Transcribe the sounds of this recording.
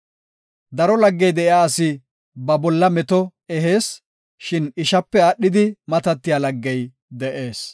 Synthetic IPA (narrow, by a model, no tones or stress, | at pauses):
d̪ɐɾɔlɐɡːɛjd̪ɛʔɪaːsɪ | bɐbɔlːɐmɛt̪ɔɛɦe̞ːs | ʃɪnɪʃɐpːɛɐɗːɪd̪ɪmɐt̪ɐt̪ːɪjaːlɐɡːɛj | d̪ɛʔe̞ːs